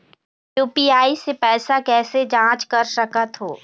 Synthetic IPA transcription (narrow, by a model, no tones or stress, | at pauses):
juːpiaːisepɛːsakɛːsed͡ʒãːt͡ʃkɐɾsɐkət̪ɦo̰ː